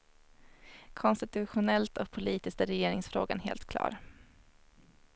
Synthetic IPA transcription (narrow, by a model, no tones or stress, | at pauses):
kʰɔnst̪ɪt̪ɵɧʊnɛlt̪ɔk̚pʰʊliːt̪ɪskt̪ɾɛjeːɾɪŋsfɾo̰ːɡanɦḛːlt̪kʰlɑ̰ːɾ